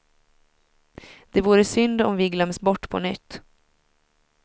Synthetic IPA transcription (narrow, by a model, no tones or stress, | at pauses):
d̪̥ɛvuːɾəsʏnd̪ɔ̰mvɪɡlœmːsbɔʈːpʰɔ̰nʏt̪ː